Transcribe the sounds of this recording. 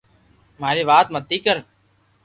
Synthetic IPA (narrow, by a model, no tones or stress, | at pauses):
m̤aːɾiːʋaːt̪mət̪ːiːkəɾ